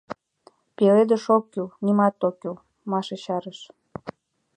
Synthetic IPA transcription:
peled̪ə̆ʃokːylnimɑt̪okːy | mɑʃeɕɑɾəʃ

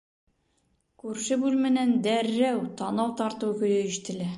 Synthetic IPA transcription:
kʉɾʃɘbʉlmɘ̆nænd̪æɾːæwt̪ɒnɑwt̪ɒɾt̪ɤwkɵ̆jɘĭʃt̪ɘ̆læ

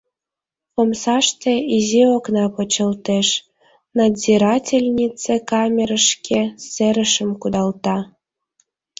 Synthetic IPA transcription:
pomsɑʃt̪ĕizioknɑpə̆t͡ɕə̆lt̪eʃ | nɑziɾɑtʲelʲnʲit͡sekɑmʲeɾəʃkʰeseɾə̆ʃəmkud̪ɑlt̪ɑ

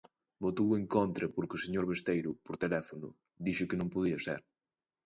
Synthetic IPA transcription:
bot̪ueŋkont̪ɾɐpoɾkʊseɲoɾβest̪ejɾʊpoɾt̪elɛfonʊ̰ | d̪iʃʊkɪnõŋpoðiɐsɛ̰ɾ

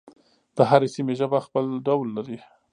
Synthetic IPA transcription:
d̪̥əɦaɾesimeʒəbaxpəlɖawlːaɾi

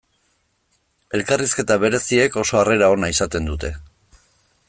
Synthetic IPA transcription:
e̞lkariske̞t̪aβe̞ɾe̞sie̞ko̞so̞are̞ɾao̞naisat̪e̞nd̪ut̪e̞

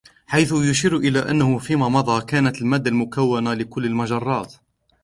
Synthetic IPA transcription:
ħajθʊjʊʃiːɾʔɪlaːʔanːahʊfiːmaːmɑd̪ˤɑːkaːnat̪əlmaːd̪ːalmʊkawːanalɪkʊlːəlmaʒɑrˤːɑːt̪

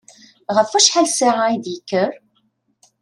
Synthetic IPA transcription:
ʁəfæʃħalsaʕaid̪jəkːəɾ

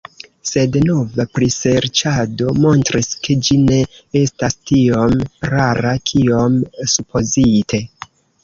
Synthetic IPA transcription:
se̞dno̞vapɾiseɾt͡ʃado̞mo̞ntɾiskʰe̞d͡ʒine̞e̞stastio̞mɾaɾakʰio̞msupʰo̞zitʰe̞

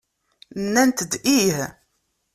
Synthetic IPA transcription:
nːænt̪əd̪ih

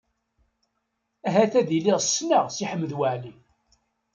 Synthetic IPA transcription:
æɦæθæðiliʁsːnaʁsiħəmːəðwaʕli

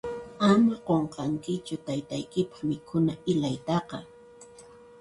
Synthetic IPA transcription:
amaqoɴqɑŋkɪt͡ʃʊt̪ajt̪ajkɪpɑ̥χmɪkʰʊnaɪlajt̪ɑqɑ

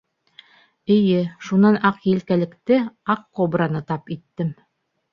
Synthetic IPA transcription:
ɘ̆jɘʃunɑnɑqjɘ̆lkælɘ̆kt̪ɘɑqːobranɤt̪ɑpit̪ːɘm

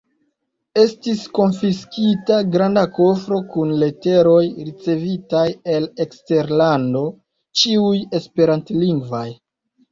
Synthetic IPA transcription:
e̞stisko̞nfiskitaɡɾandako̞fɾo̞kunle̞te̞ɾo̞jɾit͡se̞vitaje̞le̞kste̞ɾlando̞ | t͡ʃiuje̞spe̞ɾantliŋɡvoj

